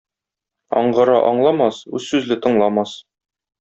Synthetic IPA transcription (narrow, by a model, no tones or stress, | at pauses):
ɒ̰ɴɢɤ̆ɾɑ̰ʔɒ̰ɴlˠɑmɑsʉzːʉzlɘt̪ɤ̆ɴlˠɑmɑs